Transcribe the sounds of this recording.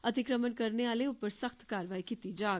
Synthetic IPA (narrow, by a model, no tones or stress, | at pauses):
ɐt̪ɪkɾəmənkɐɾneaːleupːəɾsəxt̪kaːɾʋaːikiːt̪id͡ʒaː